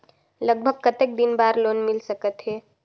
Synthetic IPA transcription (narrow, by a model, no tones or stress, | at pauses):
ləɡ̚bʱəɡ̚kət̪ek̚d̪ɪnbaːɾloːnmɪlsəkət̪ɦɛː